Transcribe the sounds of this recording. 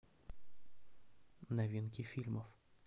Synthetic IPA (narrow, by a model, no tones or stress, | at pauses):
nɐvʲinkʲɪfʲilʲməf